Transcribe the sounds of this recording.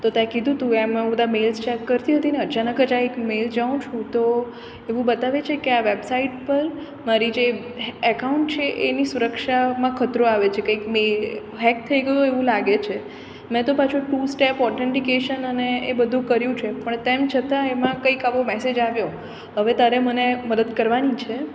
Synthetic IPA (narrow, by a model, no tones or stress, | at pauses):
t̪ot̪aẽkid̪ʱũt̪ũemãbəd̪ʱamelst͡ʃɛkːəɾt̪iɦət̪ineət͡ʃanəkəd͡ʒaekmeld͡ʒaũt͡ʃʰũt̪o | eʋũbət̪aʋet͡ʃʰekeaʋebsaiʈpəɾ | maɾid͡ʒe | əkauɳʈt͡ʃʰeʔenisuɾəkʃamãkʰət̪ɾoaʋet͡ʃʰekəikmel | ɦɛk̚t̪ʰəiɡəjoeʋũlaɡet͡ʃʰe | mɛ̃t̪opat͡ʃʰoʈusʈepɔɾʈ̪ʰeɳʈikeʃənəneːbəd̪ʱũkəɾjũt͡ʃʰepəɳt̪emt͡ʃʰət̪ãemãkəikaʋomɛsed͡ʒaʋjo | ɦəʋet̪aɾeməneməd̪əd̪kəɾʋanit͡ʃʰe